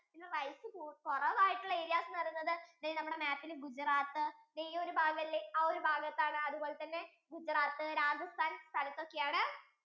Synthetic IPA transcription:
pinːerɐjsɨpuk̪urɐʋaːjiʈːuɭːɐeːɾijaːsɐnːɐrijunːɐðɨniːnɐmːuɽe̞maːpːilɡud͡ʑraːt̪ːɨniːjɐoɾubʱaːɡɐmɐlːeɐoɾubʱaːɡɐt̪ːaːɳɨɐðubo̞ːɭet̪ɐnːe̞ | ɡud͡ʑraːt̪ːɨɾaːd͡ʑɐst̪ʰaːnst̪ʰɐlɐt̪ːo̞kːe̞jaːɳɨ

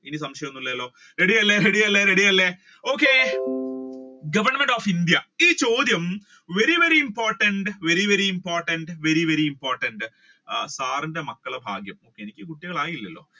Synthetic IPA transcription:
enisɐmʂɐjɐnːuɭːɐɐlːo̞ː | ɾe̞ɽijɐlːeɾeɽijɐlːeɾeɽijɐlːe | o̞ːkːe | ɡɐʋɐrɳɐmeɳɖoːfind̪jɐiːt͡ɕo̞ːd̪jɐm | ʋe̞ɾiʋe̞ɾiːmpoːrʈɐɳɖʋe̞ɾiʋeɾiimpo̞ːrʈɐɳɖʋe̞ɾiʋe̞ɾiimpoːrʈɐɳɖ | saːrindemɐkːɐɭbʱa̰ːɡjɐmoːkːeenikʲːɨkuʈːiɣɐɭaːjilːɐlːo̞̰ː

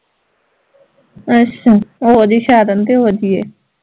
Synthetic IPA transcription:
ət͡ʃːaːoːd͡ʒiːʃaːd̪ənt̪eɦoːd͡ʒiːḛː

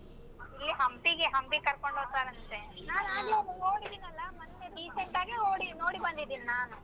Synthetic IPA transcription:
ilːiɦɐmbiɡeɦɐmbikɐɾkoɳɖoːt̪aːɾɐnt̪enaːnaːɡiobuoːɽid̪iːnɐlːɐmɐt̪ːeɖiːsek̚ʈːaːɡinoːɽinoːɽibɐnd̪id̪iːninaːnu

